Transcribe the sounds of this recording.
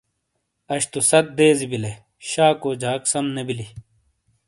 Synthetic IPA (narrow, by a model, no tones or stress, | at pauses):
ɐɕt̪usɐt̪̚d̪eːzibile | ɕaːkoːd͡ʑʱaːksɐmnebili